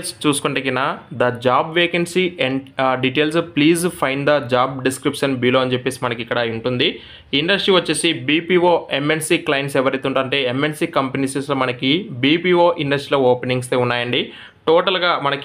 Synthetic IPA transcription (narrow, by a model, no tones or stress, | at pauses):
st͡ʃuːsu̥kuɳʈekinaːd̪ɐd͡ʒaːbʋeːkensieɖiʈeːlspliːzpʰɐjnɖd̪ɐd͡ʒaːbɖiskɾipʂɐnbiːloːɐnt͡ʃepːe̞ːsimɐnɐkikːɐɽɐuɳʈund̪i | iɳɖɐsʈɾiʋɐt͡ʃːe̞ːsibiːpiːoːemensiklɐjnsɛʋɐɾɐjt̪uɳʈaːɐɳʈe̞ːemːensiːkɐmpenisesloːmɐnɐkibiːpiːoːʔiɳɖɐsʈɾiloːoːpeniŋɡst̪eːunːaːjɐɳɖi | ʈoːʈɐlɡaːmɐnɐk